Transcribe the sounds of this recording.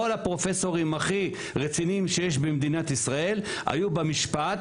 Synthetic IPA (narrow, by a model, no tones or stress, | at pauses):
olhapʁo̞feso̞ʁimaχi | ʁet͡sinimʃejeʃ̬bemd̪inat̪isʁae̞l | a̰jubemiʃpat